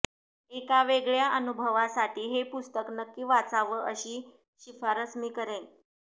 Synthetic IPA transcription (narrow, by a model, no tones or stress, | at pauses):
ekaʋeɡɭjaʔənubʱəʋasaʈʰiːɦepust̪əknəkːiːʋat͡saʋəʔəɕiː | ɕifaɾəsmiːkəɾen